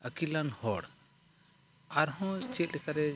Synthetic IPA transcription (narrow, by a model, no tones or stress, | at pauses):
əkilanhɔɽ | aɾɦɔ̃t͡ʃɛt̪̚ˀlɛkaɾɛ